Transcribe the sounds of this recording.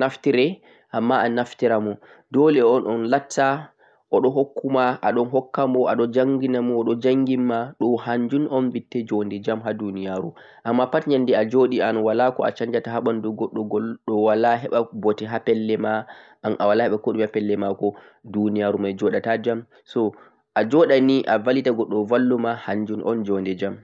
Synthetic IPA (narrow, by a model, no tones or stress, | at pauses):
naftiɾɛ | ʔamːaʔanaftiɾamɔ | dɔlɛɔnɔnlatʰːa | ʔɔɗɔɦokːumaʔaɗɔnɦɔkːambɔaɗɔd͡ʒaŋɡinamɔɗɔd͡ʒaŋɡimːaɗɔhaɲd͡ʒunɔnvitːɛd͡ʒondɛd͡ʒamɦadunijaɾṵ | ʔamːapatɲandɛad͡ʒoɗianawalakɔa̰t͡ʃaɲd͡ʒataɦaɓanduɡɔɗːɔɡɔlɗɔwalaɦɛɓabɔtɛɦapɛlːɛma | anʔawalahɛɓakɔɗumhapɛlːɛmakɔ | dunijaɾumajd͡ʒɔɗatad͡ʒam | sɔ | ʔad͡ʒɔɗaniʔavalitaɡɔɗːɔvalːumahaɲd͡ʒunʔɔ̰nd͡ʒɔndɛd͡ʒam